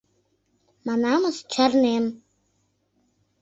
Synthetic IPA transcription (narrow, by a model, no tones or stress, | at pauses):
manaməst͡ʃʰarnem